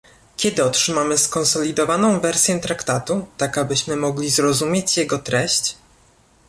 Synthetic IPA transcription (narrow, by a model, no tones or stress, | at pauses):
kʲɛd̪ɘɔtʂɘmamɘskɔnsɔlʲid̪ɔvanɔ̃w̃vɛɾsʲjɛt̪ɾakt̪at̪ut̪akabɘɕmɘmɔɡlʲizɾɔzumʲjet͡ɕjɛɡɔt̪ɾɛɕt͡ɕ